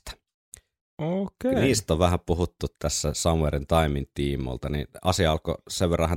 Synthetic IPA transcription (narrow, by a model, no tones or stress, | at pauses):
t̪æ̥ | okeniːst̪oʋʋæhæpuhut̪ːut̪t̪æsːæsɑmwerint̪ɑimint̪iːmo̰lt̪ɑnḭnɑ̰siɑɑlko̰seʋʋerːɑhˑæ